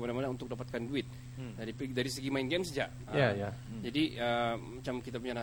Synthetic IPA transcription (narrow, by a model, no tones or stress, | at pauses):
badamanaunt̪ʊk̚dapat̪̚kanduɪt̪̚ | daɾipdaɾisəɡimainɡɛmsəd͡ʒaʔ | əjaja | d͡ʒadiəmat͡ʃamkit̪apuɲana